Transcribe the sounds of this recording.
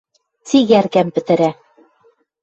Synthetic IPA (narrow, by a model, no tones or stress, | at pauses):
t̪iɡæɾkæmbɘ̆t̪ɘ̆ɾæ